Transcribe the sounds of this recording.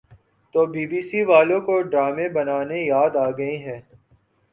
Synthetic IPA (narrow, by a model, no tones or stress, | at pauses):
t̪oːbiːbiːsiʋaːlõkoɖɾaːmẽbɐnaːnejaːd̪aːɡɐĩɦɛ̃ː